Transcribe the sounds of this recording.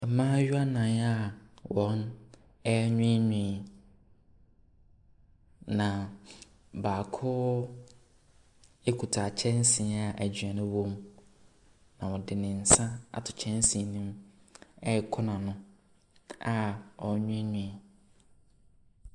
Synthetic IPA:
m̩˨mãː˦ɥu˦a˦nã˨na˦wɔ˨˦n | ɛ˦ɲʊ̃˦ɲũ˨ | nã˨ | baː˨kʰʊ˦ | e˦kʰu˨tʰa˨t͡ɕʰɛ̃˦n˦sĩ˨˦a˨ʔæ˨d͡ʑɥa˨nʊ̃˦wõ˦m | nã˨wɔ̃˨dɪ˨nɪ̃˨n̩˨sã˦a̰˨tʰʊ˨t͡ɕʰɛ̃˦n˦sĩ˨nũ˦m | ɛ˦˨kʰʊ˦nã˨nʊ̃˦ | a˨ɔ˨˦ɲʊ̃˦ɲũ˨

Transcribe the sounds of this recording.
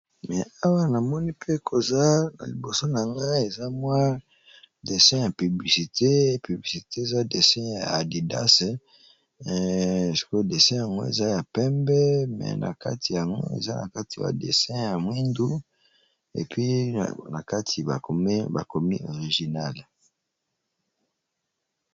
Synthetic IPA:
mɛ˨a˦wa˦na˨mɔ˦ni˦pʰe˦kʰo˨za˦na̰˨li˨bo˨so˦na˨ŋɡa˦e˨za˦mwa˦ | de˨sɛ̃˦ja˨py˨bli˨si˨te˦py˨bli˨si˨te˦e˨za˦de˨sɛ̃˦jaː˨di˨da̰˦se˨ | si̥˨ko˦de˨sɛ̃˦ja˨ŋɡo̰˦ḛ˨za˦ja˨pɛ˦mbɛ˦mɛ̰˨na̰˨ka˦ti˨ja˨ŋɡo̰˦ḛ˨za˦na̰˨ka˦ti˨ja̰˨dḛ˨sɛ̃˦ja˨mwi˦ndu˦ | ḛ˨pʰɥi˦na˨ka˦tʰi˨ba̰˨ko˨me˦ba˨ko˨mi˦o˨ʁi˨ʒi˨na˦l

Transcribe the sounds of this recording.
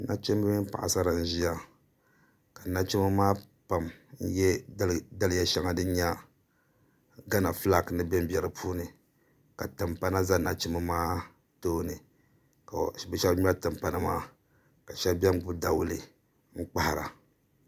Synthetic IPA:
na˦t͡ʃi˦m˦ɨ˦mɨ˦m˦pa̰˨ʔa̰˨sa˦ɾa˨n̩˦ʒi˦a˦ | ka˨na˦t͡ʃi˦mɨ˦maː˦ | pa˨mn̩˦jɛ˦da˦lja˨ʃɛ˦ŋa˦dɨ˦ɲa˦ | ɡa˦na˨fla˦˨knɨ˦bɛ˦m˦bɛ˨ɾɨ˨pʰuː˦nɨ˨ | ka˨tɨ˨mpa˦na˦za˦na˨t͡ʃi˦mɨ˦maː˦ | toː˦nɨ˨ | ka˨bɛ˦ʃɛ˦bɲ˦a˦tɨ˨mpa˨na˦maː˦ | ka˨ʃɛ˦bʲɛ˦m˦ɡ͡bu˦da˨wʊ˦lɨ˦ | ŋ̩˦k͡pa˦ha˨ɾa̰˨

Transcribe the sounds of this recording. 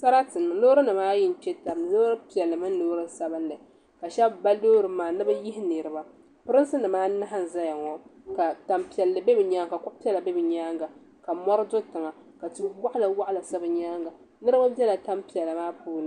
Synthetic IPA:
sa˦ɾa˦tɨ˨nɨ˨loː˦ɾɨ˦nɨ˨maː˦jɪ˦n̩˨t͡ʃɛ˦ta˨m˨loː˦ɾɨ˦pi˨ɛ˨lːɨ˨mɨ˦n˦loː˦ɾɨ˦sa˦bɨ˦nlɨ˨ | ka˨ʃɛ˦bba˦loː˦ɾɨ˨maː˨nɨ˦bɨ˦ji˦ɦɪ˦nɨ˨ɾɨ˨ba˦ | pɨ˦ɾɨ˦nsɨ˦nɨ˨maː˦na˦ɦa˦n˨za˦ja˨ŋɔ˦ka˨ta˨mpi˨ɛ˨lːɨ˨be˦bɨ˨ɲaː˦ŋka˨kɔ˦pi˦ɛ˦la˨be˦bɨ˨ɲaː˦ŋɡa˨ | ka˨mɔ˦ɾɨ˦dʊ˦tɨ˨ŋa˨ | ka˨tu˦wa˦ʔla˨wa˦ʔla˨sa˦bɨ˨ɲaː˦ŋɡa˨ | nɨ˦ɾɨ˦ma˦bʲɛ˦la˨ta˦mpi˨ɛ˨lːɨ˨maː˦puː˦nɨ˨˦

